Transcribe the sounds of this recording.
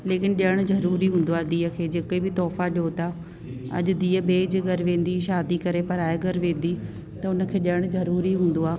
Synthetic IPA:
leːkɪnɗijəɽ̃ʊzɐɾuːɾiɦũːn̆d̪oaːd̪iːəkʰeːd͡ʑeːkebɪt̪ɔːfaɗijot̪a | ɐ̰ʄʊ̆d̪iːəɓeːd͡ʑɡɐɾʋẽːn̆d̪iʃaːd̪ikɐɾepɐɾaːeɡɐɾʋẽːn̆d̪i | t̪ɐʊnə̆kʰeːɗiəɽ̃zɐɾuːɾiɦũːn̆d̪oaː

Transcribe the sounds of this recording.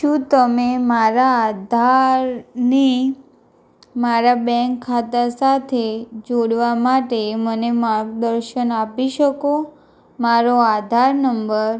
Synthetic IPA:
ʃũt̪əmemaɾaːd̪ʱaɾni | maɾabɛ̃ŋkʰːat̪asat̪ʰed͡ʒoɽʋamaʈemənemaɾkd̪əɾʃənapiʃəko | maɾoad̪ʱaɾnəmbəɾ

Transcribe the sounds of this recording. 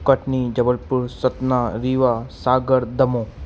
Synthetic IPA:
kəʈnid͡ʒɐbəlpuɾsɐt̪naɾiːʋasaːɡəɾd̪ɐmõː

